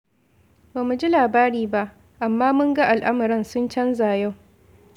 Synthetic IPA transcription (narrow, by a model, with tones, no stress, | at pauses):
ba˨mu˨d͡ʒi˦laː˨baː˦ɾiː˨ba˦ʔ | ʔa˨mːaː˦mʊ˦ŋɡa˦ʔa˨lʔa˦mɐ˨ɾɐ˦˨nsʊ˦nt͡ʃɐ˦nzaː˨ja˦˨w